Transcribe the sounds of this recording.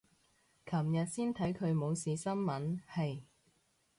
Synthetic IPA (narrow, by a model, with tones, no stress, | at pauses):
kʰɐ˨˩mjɐ˨t̚siː˥nt̪ʰɐ˨˥jkʰɵ˨˧ɥmo˨˧wsiː˨˧sɐ˥nmɐ˨˥nhɐ˨j